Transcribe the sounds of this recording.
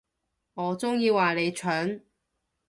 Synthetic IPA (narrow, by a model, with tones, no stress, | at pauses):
ŋɔː˨˧t͡sʊ˥ŋjiː˧waː˨le˨˧jt͡ʃʰœː˨˥n